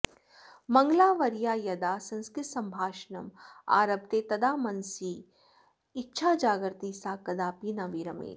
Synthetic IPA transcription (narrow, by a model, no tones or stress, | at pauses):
mɐŋɡlaːʋɐɾjaːjɐd̪aːsɐ̃nskɾɪt̪sɐmbʱaːʃnɐma̰ːɾɐb̚t̪eːt̪ɐd̪aːmɐnsiː | ɪtːʃʰaːd͡ʒaːɡɾt̪iːsaːkɐd̪aːpiːnɐʋiːɾɐmḛːt̪